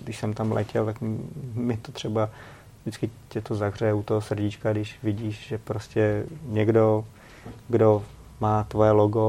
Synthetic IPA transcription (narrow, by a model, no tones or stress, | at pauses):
ɡdɪʃsɛmt̪amlʔɛ̰cɛlt̪akmɪt̪ot̪r̝̥ɛba | ʒdɪt͡skɪcɛt̪ozaɣr̝ɛjɛut̪oɦosr̩ɟɪt͡ʃkadɪʃvɪɟiːʃʒɛpɾoscɛɲɛɡdo | ɡdo̞ | maːt̪vo̞jɛloɡo